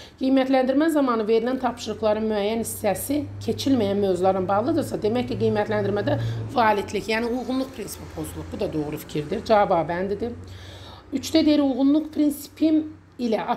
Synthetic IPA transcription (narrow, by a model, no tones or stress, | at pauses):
ɡ̥ijmæt̪ʰlænd̪iɾmæzɑmɑnɯve̞ɾilænt̪ʰɑpʃɯɾɯχlˠɑɾɯnmyæjːænist̪æsicʰe̞t͡ʃʰilmæjænmøvzulˠɑɾɯnbɑʁlˠɯd̪ɯɾsɑd̪e̞mæcciɡijmæt̪ʰlænd̪iɾmæd̪ævɑːlit̪licjæːniujʁunlˠuχpʰɾinsi̥pipʰo̞zulˠup̚bud̪ɑd̪o̞ɣɾufi̥cʰiɾd̪iɾd͡ʒɑbɑːbænd̪id̪i | yt͡ʃt̪æd̪eiɾujɣunlˠuqpʰɾinsi̥pʰim | ilæʔɑ